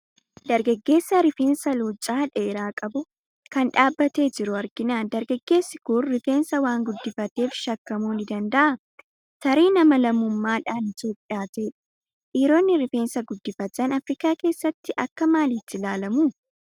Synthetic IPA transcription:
d̪ɐɾɡɐɡːe̞ːsːɐɾɪfe̞ːnsɐluːt͡ʃʼːaːᶑeːɾaːkʼɐbʊ | kɐnᶑaːbːɐt̪e̞ːd͡ʒɪɾʊɐɾɡɪnaːnd̪ɐɾɡɐɡːe̞ːsːɪkʊːɪfe̞ːnsɐwaːŋɡʊd̪ːɪfɐt̪e̞ːfʃɐkːɐmuːnɪd̪ɐnd̪ɐʔɐ | t̪ɐɾiːnɐmɐlɐmʊmːaːᶑaːnɪt̪jo̞ːpʼːɪjaːt̪ɛːᶑɐ̥ | ʔiːɾo̞ːnːɪɾɪfe̞ːnsɐɡʊd̪ːɪfɐt̪ːɐnɐfɾɪkaːke̞ːsːɐt̪ːɪʔɐkːɐmaːlɪt̪ːɪlaːlɐmuː

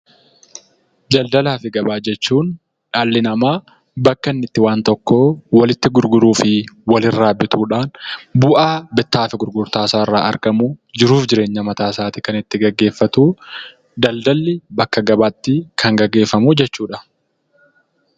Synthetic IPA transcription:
d͡ʒɐld̪ɐlaːfɪɡɐbaːd͡ʒɛt͡ʃːuːn | ᶑaːlːɪnɐmaː | bɐkːɐnːɪt̪ːɪwaːnt̪ɔkːoːwɐlɪt̪ːɪɡʊɾɡʊɾuːfɪwɐlɪrːaːbːɪt̪uːᶑaːnbʊʔaːbɛt̪ːaːfɪɡʊɾɡʊɾt̪aːsaːrːaːʔɐ̰ɾkɐmud͡ʒɪɾuːfd͡ʒɪɾe̞ːɲːɐmɐt̪aːsaːt̪ɪkɐnɪt̪ːɪɡɐɡːe̞ːfːɐt̪uː | d̪ɐld̪ɐlːɪbɐkːɐɡɐbaːt̪ːɪkʰɐŋɡɐɡːe̞ːfːɐmud͡ʒɛt͡ʃːuːᶑɐ

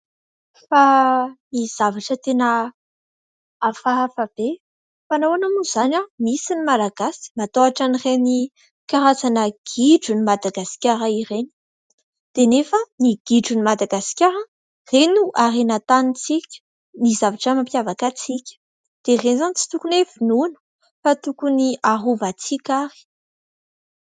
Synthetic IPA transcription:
faniz̥avaʈ͡ʂət̪enə | afaɦafab̥e | fanowanamuz̥anamisinimalaɡ̥asi̥mat̪oaʈ͡ʂanireni | kaɾazanəɡ̥iɖ͡ʐunimad̪aɡasi̥kʲaɾaireni̥ | d̪̥enefəniɡ̥iɖ͡ʐunimad̪aɡasi̥kʲaɾə | renuʔaɾenat̪anit͡sikʲə̥ | nizavaʈ͡ʂəmampjavakat͡sikʲə̥ | d̪̥erenzanit͡si̥t̪ukunevinunə̥ | fat̪ukuniaɦuvat͡sikʲaɾi̥

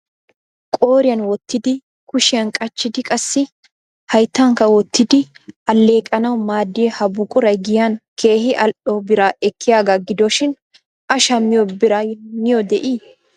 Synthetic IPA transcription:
kʼo̞ːɾɪjɐnwɔt̪ːɪd̪ɪ | kʊʃɪjɐnkʼɐt͡ʃːɪd̪ɪkʼɐsːɪ | hɐjt̪ːɐŋkɐwɔt̪ːɪd̪ɪɐlːe̞ːkʼɐnɐwmaːd̪ːɪjɛhɐbʊkʼʊɾɐjɡɪjɐnkʰeːhɪʔɐlʔɔbɪɾaːɛkʰːɪjaːɡaɡɪd̪ɔʃɪn | ʔɐʃɐmːɪjɔbɪɾanɪjɔd̪ɛʔiː

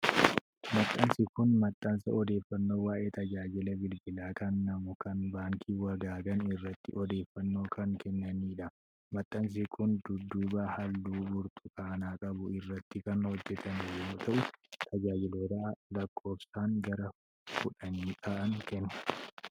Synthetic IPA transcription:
mɐt̪ʼːɐnsɪkʊnmɐt̪ʼːɐnsɐɔd̪e̞ːfːɐnːoːwaːʔeːt̪ɐd͡ʒaːd͡ʒɪlɛbɪlbɪlaːkʰɐnːɐmʊkɐnbaːŋkʰiːwɐɡaːɡɐnɪrːɐt̪ːɪʔɔd̪e̞ːfːɐnːo̞ːkɐŋkɛnːɐniːᶑɐ | mɐt̪ʼːɐns̬iɪkʰʊnd̪ʊd̪ːuːbɐhɐlːuːbʊɾt̪ʊ̥kaːnaːkʼɐbʊɪrːɐt̪ːɪkɐnhɔd͡ʒːɛt̪ʰɐnɪjɛoːt̪ʰɐʔʊt̪ʰɐd͡ʒaːd͡ʒɪloːt̪ɐʔɐlɐkʰːo̞ːfsaːŋɡɐɾɐ | fʊᶑɐniːt̪ʰaːʔɐŋkɛnːɐ̥

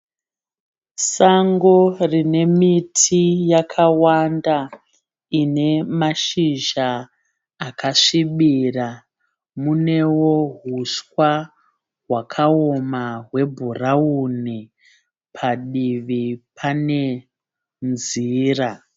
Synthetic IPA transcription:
saŋɡo̞rine̞mitʰijakʰawanda | ine̞maʃiʒaː | kʰaʂiɓira | mune̞wo̞ɦuswa | wakʰaomaɦwe̞bʱurauni | pʰaɗiʋipʰane̞ | nziːra

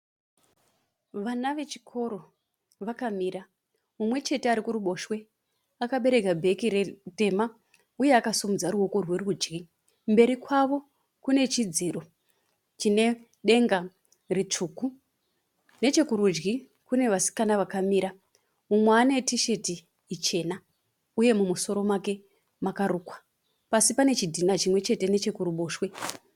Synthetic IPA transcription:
ʋanaʋe̞t͡ʃi̥kʰo̞ɾo̞ | ʋakamiːɾa | umwe̞t͡ʃe̞teaɾikuɾuɓo̞ʃwe̞ | akaɓe̞ɾe̞kabʱe̞kiɾete̞ma | ujeakasumud͡zaɾuo̞ko̞rwe̞rud͡ʒɡi | mbe̞ɾikwaʋo̞ | kune̞t͡ʃid͡ziːro̞ | t͡ʃine̞ | ɗe̞ŋɡa | ret͡ʂuːku | ne̞t͡ʃe̞kuɾud͡ʒɡi | kune̞ʋasi̥kanaʋakamiːɾa | mumweːne̞tiʃe̞tiː | t͡ʃe̞na | uje̞mumuso̞ɾo̞mwake̞ | makaɾuːkwḁ | pasipane̞t͡ʃidʱinat͡ʃimwe̞t͡ʃe̞te̞ne̞t͡ʃe̞kuɾuɓoːʃwe

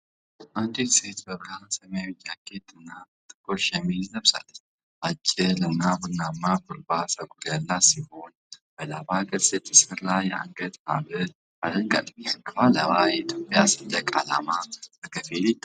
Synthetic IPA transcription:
ʔand̪it̪set̪bəβɾasəmjawɪd͡ʒːaɡ̥et̪ʼɨnːa | t̪ʼɨ̥kʼːoʃɛmiznəβsa̰lː | ʔat͡ʃʼːɪlɨnːabɨnːamːakuɾbasəɡʼuljalːasiho̞n | b̥əlabaɡʼəsɛt̪ʰːɨsəɾlajɛa̰ŋɡət̪ha̰βɨ | ad̪əŋɡʼa̰t̪ʼmiakʰːfaləβajɛit̪ʰjopʼjasɨnləkʼala̰mabəkʰəfilit̪ʼː

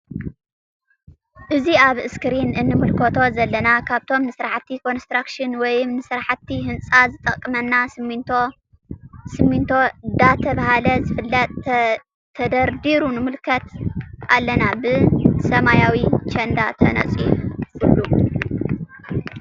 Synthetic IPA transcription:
ʔɨziaβɨskɨɾinɨnːɨmɨlkʰot̪ʰo̞zɐlːɐnakʰaβt̪ʰo̞mnɨsɾaħt̪ʰːikʰo̞nst̪ɾakʃɨnwɔjɪmnɨsɾaħt̪ʰːihɨnt͡sʼazɨt̪ʼɐkʼːɨmɐnːasɨmo | sɨmint̪ʰo̞d̪at̪ʰɐβahalɐzɨfɨlːɐt̪̚ʼʰː | ɐd̪ɐɾd̪iɾunɨmɨlkʰɐt̪a̰lːɐnabɨsɐmajawit͡ʃɐnd̪at̪ʰɐ̰nɐ̰t͡sʼifhɨlːu

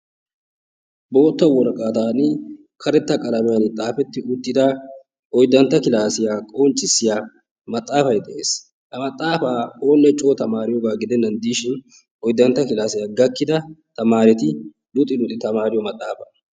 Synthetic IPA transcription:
bo̞ːt̪ːɐwɔɾɐkʼaːt̪aːnɪ | kʰɐɾɛt̪ːɐkʼɐlɐmɪjɐnɪt̪ʼaːfɛt̪ːɪʔʊt̪ːɪd̪ɐ | ɔjd̪ːɐnt̪ːɐkɪlaːsɪjaːkʼont͡ʃʼːɪsːɪjaː | mɐt̪ʼːaːfɐjd̪ɛʔe̞̰ːs | hɐmɐt̪ʼːaːfaːoːnːɛt͡ʃʼoːt̪ɐmaːɾɪjoɡaːɡɪd̪ɛnːɐnd̪iːʃɪn | ɔjd̪ɐnt̪ːɐkɪlaːsɪjaːɡɐkːɪd̪ɐt̪ɐmaːɾɛt̪ɪ | lʊt̪ʼːɪlʊt̪ɪt̪ɐmaːɾɪjɔmɐt̪ʼːaːfɐ

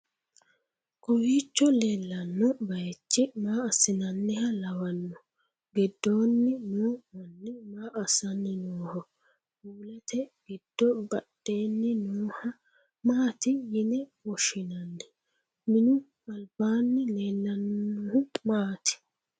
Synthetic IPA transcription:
kʼɔwiːt͡ʃːɔleːlːɐnːɔbɐjɛt͡ʃːɪmaːɐsɪnɐnːɛhɐlɐwɐnːɔ | ɡɪd̪ːo̞ːnːɪnuːmɐnːɪmaːʔɐsɐnːɪnoːhɔ | buːlɐt̪ɛɡɪd̪̥ːɔbɐɗːe̞ːnːɪnoːhɐ | maːt̪ɪjɪnɛwɔʃɪnɐnːɛ | mɪnʊ | ɐlbaːnːɪleːlːɐnːɔhʊmaːt̪ɪ̥

